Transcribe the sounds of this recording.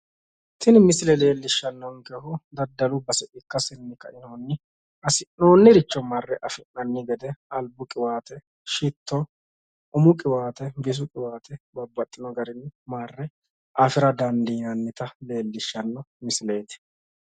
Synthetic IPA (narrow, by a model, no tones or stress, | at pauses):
t̪ɪnmɪsɪlɛle̞ːlːɪʃːɐnːɔŋkɛhʊd̪ɐd̪ːɐlʊbɐsɛʔɪkːɐsɪnːɪkɐʔɪnoːnːɪ | ʔɐsɪnnoːnːɪɾɪt͡ʃːɔmɐrːɛʔɐfɪnːɐnːɪɡɛd̪ɛɐlbʊkʼɪwaːt̪ɛ | ʃɪt̪ʰːɔ | ʊmʊkʼɪwaːt̪ɛbɪs̬ʊkʼɪwaːt̪ɛbɐbːɐt̪ʼːɪnɔɡɐɾɪnːmaːrːɛ | ʔɐfɪɾɐd̪ɐnd̪iːnɐnːɪt̪ɐle̞ːlːɪʃːɐnːɔmɪsɪle̞ːt̪ɪ̥